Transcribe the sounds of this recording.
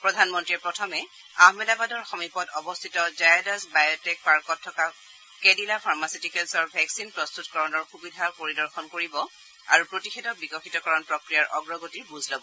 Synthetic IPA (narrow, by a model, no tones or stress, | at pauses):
pɹɔdʱanmɔntɹiɛpɹɔtʰɔmɛ | aɦmɛlabadɔɹxɔmipɔtɔbɔstʰitɔzajdasbajɔtɛk̚paɹkɔtʰːɔka | kɛdilapʰaɹmasitikɛlsɔɹbʱɛksinpɹɔstutkɔɹɔnɔɹxubidʱapoɹidɔɹxɔnkoɹibɔ | a̰ɹupɹotixɛdɔbikɔxitɔkɔɹɔnpɹɔkɹijaɹʔɔɡɹɔɡotiɹbuzʱlɔbɔ